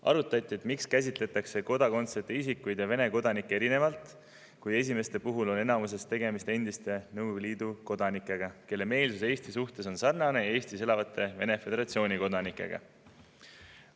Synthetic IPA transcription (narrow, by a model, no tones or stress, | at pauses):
ɑ̰ɾut̪ːˑɑt̪ʲːˑie̞t̪ˑmikskæs̬ʲit̪ˑle̞t̪ːˑɑkse̞ko̞d̪̥ɑko̞nt̪sert̪eisikːujd̪jɑve̞ne̞ko̞d̪̥ɑnikːˑeɾine̞vɑlt̪ˑ | kuje̞s̬ʲime̞st̪e̞puɦulo̞ne̞nɑmus̬e̞st̪e̞ɡe̞mist̪e̞nd̪̥ist̪e̞nɤwvliːd̪̥uko̞d̪̥ɑnikːˑe̞ɡ̥ɑke̞lːe̞me̞ːlsus̬e̞ːst̪isuht̪e̞so̞nsɑrnɑne̞je̞ːst̪ise̞lɑvɑt̪ʰːˑe̞ve̞ne̞fe̞d̪e̞ɾɑt̪ʲsio̞ːnʲiko̞d̪ɑnikːˑe̞̰ɡ̥ɑ̰